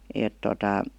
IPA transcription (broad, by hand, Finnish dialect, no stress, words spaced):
eˑt totɑ